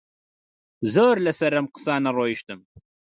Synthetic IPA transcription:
zoːɾlɐsɐɾɐmqə̥sɑːnɐroːjiʃt̪ɨm

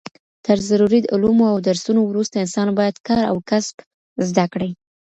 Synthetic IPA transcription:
t̪əɾzaɾuɾid̪ṵlumoawd̪aɾsunowɾust̪aɪnsɑnbɑjad̪kɑɾa̰wkasb̥ | zd̪akɽaj

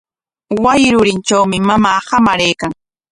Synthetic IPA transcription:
wajɪɾʊɾɪnt͡ʃawmɪmamaːhamaɾejkaŋ

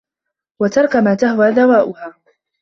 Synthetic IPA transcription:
wat̪ɑɾˤkamaːt̪aɦwaːd̪awaːʔʊhaː

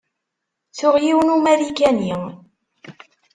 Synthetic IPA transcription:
t͡sʊʁjiwnumæɾikæniŋ

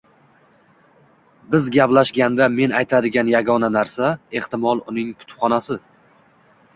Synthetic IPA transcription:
bɪzɡʲaplaʃɡʲand̪ame̞najt̪ʰad̪ɪɡʲanjaɡɒnanaɾsae̞ht̪ɪmɒlˠʊnɪŋkʰʊ̥t̪ʊ̥pχɒnasɪ

